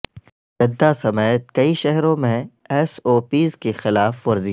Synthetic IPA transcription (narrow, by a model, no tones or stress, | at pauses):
d͡ʒɐd̪ːasɐmɛːt̪̚kɐiʃɛɦɾõmẽ | ɛsoːpiːzkexɪlaːfʊɾzi